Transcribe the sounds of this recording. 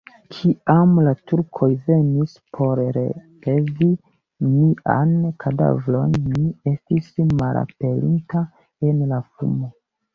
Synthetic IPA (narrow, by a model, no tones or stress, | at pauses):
kʰiamlatuɾkʰo̞jve̞nis | pʰo̞ɾɾḛpezi | niʔa̰nkʰada̰vlo̞nːie̞stismalʔa̰pe̞lḭnta | e̞nlafṵmo